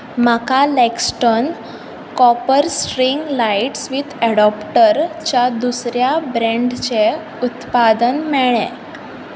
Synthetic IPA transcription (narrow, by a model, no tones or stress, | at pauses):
m̤akalɛksʈon | kɔpəɾsʈɾiŋɡlaiʈsʋit̪ʰɛɽɔpʈəɾt͡ɕjad̪usɾjabɾẽɳɖt͡ɕe | ut̪pad̪ənmɛɭḛ̃